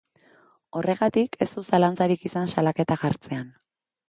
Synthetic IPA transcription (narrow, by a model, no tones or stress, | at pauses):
o̞re̞ɣ̞at̪ikʰe̞st̪usalant͡saɾikisansalake̞t̪axaɾt͡se̞an